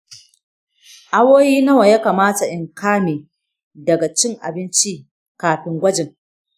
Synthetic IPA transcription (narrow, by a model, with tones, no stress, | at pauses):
ʔa˦woː˦jiː˦nɐ˦wa˨jaː˦kaː˨maː˦ta˨ʔɪ˨ŋkaː˦neː˨ | dɐ˨ɡa˨t͡ʃɪ˦ŋʔa̰˨bɪ˦nt͡ʃi˦ | kaː˨ɸɪ˦ŋɡʷɐ˦d͡ʒɪ˨ŋ